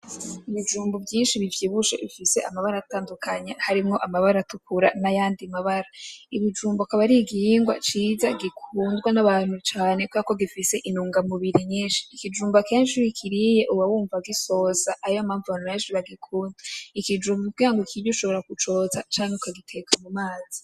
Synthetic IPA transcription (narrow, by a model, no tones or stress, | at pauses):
iβid͡ʒuːmbubjiːnʃiβivjiβuʃḛifise̞̰ʔamaβaɾaataːndukʰaɲehaɾimŋo̞ʔamaβaɾatukuɾa̰najaːndimaβaɾaiβid͡ʒuːmbakaβaɾiɡijiŋɡwa̰t͡ʃiːzaɡikʰuːndɡwanaβaːn̥hut͡ʃaːne̞kwakoɡifise̞ʔinuːŋɡamuβiɾiɲiːnʃi̥ːkid͡ʒuːmbakeːnʃiwikʰiɾije̞ʔuwawuːɱvaɡiso̞saʔajoamaːɱvuaneːnʃiβaɡikʰuːndeikid͡ʒuːmbubɡaːŋɡokʰiɟoʃo̞βoɾakut͡ʃo̞ːzat͡ʃaːŋeukʰaɡitʰe̞kʰamumaːz̥i